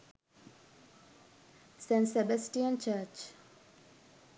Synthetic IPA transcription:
sẽnsebəsʈiə̃nt͡ʃət͡ʃ

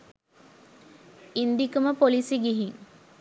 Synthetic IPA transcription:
ind̪ikəməpolisiɡiɦiŋ

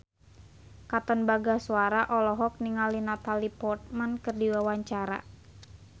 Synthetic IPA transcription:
kat̪ɔnbaɡasuaɾaʔɔlɔɦɔk̚niŋalinat̪alipɔrt̪̚mankɨrdiwawaɲt͡ʃaɾa̰

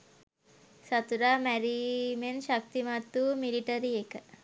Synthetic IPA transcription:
sɐt̪uɾamɛɾimenʃɐk̚t̪imat̪ːumiliʈɐɾiekɐ

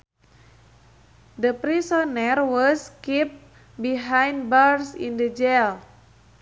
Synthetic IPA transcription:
d̪əpɾisɔnɛrwɔskip̚ | biɦajnd̚barsḭ̃ndəd͡ʒel

